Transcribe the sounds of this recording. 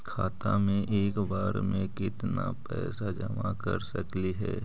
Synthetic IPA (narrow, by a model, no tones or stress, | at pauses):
kʰaːt̪amẽʔeːkbaːɾmẽkɪt̪napɛːsad͡ʒɐmakɐɾsɐkliɦɛː